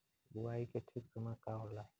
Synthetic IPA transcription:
buwaikeʈʰik̚kəmakaɾla

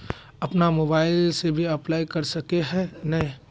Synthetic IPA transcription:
ɐpnamoːbaːɪlsebʱiɐplaːikɐɾsɐkeɦɛ̃nɐɦĩ

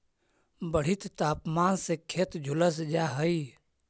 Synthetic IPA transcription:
bəɽ̤it̪t̪aːpmaːnsekʰeːt̪d͡ʒʱʊləs̬d͡ʒaɦəi

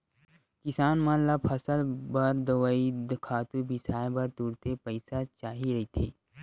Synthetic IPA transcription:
kɪsaːnmãlapʰɐsəlbɐɾd̪əwaid̪kʰaːt̪ubʱisaːjbɐɾt̪uːɾt̪epəɪsat͡ʃaːɦiɾɐɦit̪ʰeː

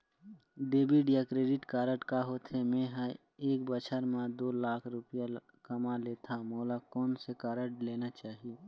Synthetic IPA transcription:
ɖeːbiɖijakɾeːɖɪʈkaːɾəʈkaɦot̪ʰemẽɦə̃ | eːk̚bət͡ʃʰəɾmãd̪oːlaːkʰɾʊpija | kəmaleːt̪ʰamoːlakɔːnsekaːɾəʈleːnat͡ʃaːɦi

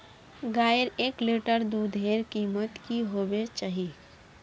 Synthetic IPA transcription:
ɡaːəɾeːkleːʈəɾd̪ud̪ʱeːɾkiːmət̪kiɦoːwet͡ʃaːɦi

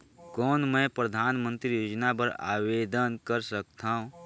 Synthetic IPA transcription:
kɔːnmɛ̃ːpɾəd̪ʱaːnmə̃nt̪ɾijoːd͡ʒnabəɾa̰ːweːd̪ənkəɾsək̚t̪ʰaɦũ

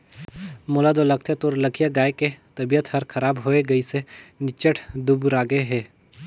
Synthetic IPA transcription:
mʊlad̪olɐk̚t̪ʰet̪oːɾlɐkʰijaɡaːeket̪ɐbijət̪hɐɾkʰɐɾaːbɦoːeɡɐisenɪt͡ʃəʈʰd̪ubɾaːɡeɦɛː

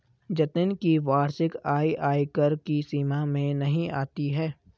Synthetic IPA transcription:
d͡ʒɐt̪ɪnkiʋaːɾʃɪkaːiʔaːikəɾkisiːmamẽnɐɦĩa̰ːt̪iɦɛː

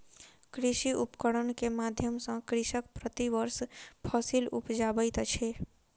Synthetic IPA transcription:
kɾiʃiʔupkəɽənkemad̪ʱjəmsə̃kɾiʃək̚pɾət̪iʋəɾspʰɔsilupd͡ʒabəjt̪t͡ʃʰe

